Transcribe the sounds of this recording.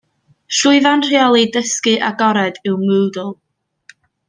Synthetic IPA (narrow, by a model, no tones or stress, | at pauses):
ʃʊɨðanr̥iaɔlˠidəskɨʔaɡɔɾɛdɪwmɨːdʊlˠ